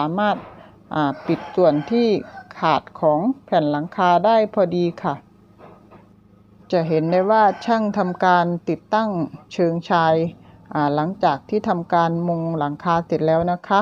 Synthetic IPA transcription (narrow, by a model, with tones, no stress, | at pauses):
aː˩˦maː˥˩t̪̚ | ʔaː˨˩pi˨˩t̪̚su˨˩ənt̪ʰiː˥˩kʰaː˨˩t̪̚kʰɔː˩˦ŋpʰɛː˨˩˦nla˨˩˦ŋkʰaː˧daː˥˩jpʰɔː˧diː˧kʰa˥˩ | t͡ɕa˨˩ɦe˩˨˦nda˧˥˩jwaː˥˩t͡ɕʰa˥˩ŋt̪ʰa˧mkaː˧nt̪i˨˩t̪ːa˥˩ŋt͡ɕʰɤː˧ŋt͡ɕʰaː˧jʔaː˨˩la˩˦ŋt͡ɕaː˨˩k̚t̪ʰiː˥˩t̪ʰa˧mkaː˧nmo˧ŋla˩˦ŋkʰaː˧se˨˩t̪̚lɛː˦˥wna˦˥kʰa˦˥